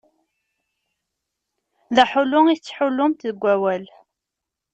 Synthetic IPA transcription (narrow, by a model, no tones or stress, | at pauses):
ðæħʊlʊŋiθt͡sːħʊlːʊmt̪ðəɡʷːæwæl